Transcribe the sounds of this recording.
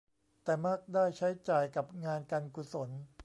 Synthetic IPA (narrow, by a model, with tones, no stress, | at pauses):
t̪ɛː˨˩ma˥˩k̚daː˥˩jt͡ɕʰa˦˥jt͡ɕaː˨˩jka˨˩p̚ŋaː˧nka˧nku˨˩so˩˦n